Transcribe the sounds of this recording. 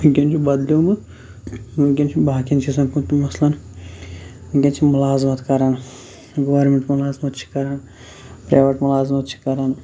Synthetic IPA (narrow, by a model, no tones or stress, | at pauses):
ukʲɐnt͡ʃʰibɐd̪liumɨ | ukʲɐnt͡ʃʰibaːkʲjɐnt͡ʃʰisɐmkut̪imɐslɐn | kʲɐnt͡ʃʰimʊlaːzmɐt̪kɐɾan | ɡɐʋɐɾmeɳʈmʊlaːzmɐt̪t͡ʃʰi̥kɐɾan | pɾa̰ːʋɐʈmʊlaːzmɐt̪t͡ʃʰi̥kɐɾan